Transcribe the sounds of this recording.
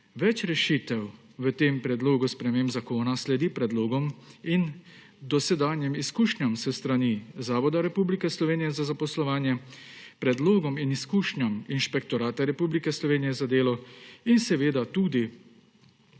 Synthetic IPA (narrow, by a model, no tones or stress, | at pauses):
ʋɛt͡ʃɾɛʃit̪ɛw | ʋət̪eːmpɾɛd̪loːɡuspɾɛmeːmbzakoːnaslɛd̪ipɾɛd̪loːɡɔmin | d̪ɔsɛd̪aːnjɛmiskuːʃɲamsɛst̪ɾanizaːʋɔd̪aɾɛpublikɛslɔʋeːnijɛzazapɔslɔʋaːnjɛ | pɾɛd̪loːɡɔminiskuːʃnaminʃpɛk̚t̪ɔɾaːt̪aɾɛpublikɛslɔʋeːnijɛzad̪eːlɔinsɛʋeːd̪at̪uːd̪i